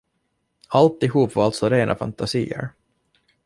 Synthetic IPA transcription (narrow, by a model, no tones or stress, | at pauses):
alt̪ɪɦuːpvaɾalt̪sɔɾeːnʔa̰fa̰nt̪ʰasiːə̰ɾ